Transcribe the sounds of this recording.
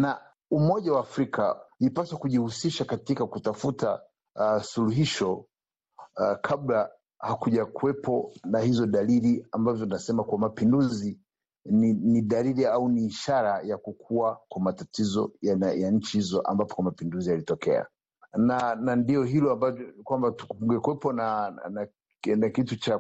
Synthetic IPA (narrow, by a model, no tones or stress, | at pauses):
na | umɔʄawaːfɾikʰalipasakuʄihusiʃakatikakutafuta | suluɦiʃɔ | kʰabla | hakuʄakuɛpʰɔnahizɔɗaliɾiambavjɔninasɛmakuwamapinduzi | niniɗaliliauniːʃaɾajakukʰuwakwamatatizɔ̰jaɲ̩t͡ʃihizɔʔa̰mbapɔ̥kwamapinduzialitɔkɛ̰a̰ | nanandiɔɦilɔambakwambatu̥kuuŋɡɛkwɛpɔnana | nakitut͡ʃa